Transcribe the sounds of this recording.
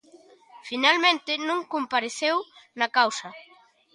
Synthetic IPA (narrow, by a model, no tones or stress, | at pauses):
finalmẽnt̪ɪnũŋkompaɾeθewnɐkawsɐ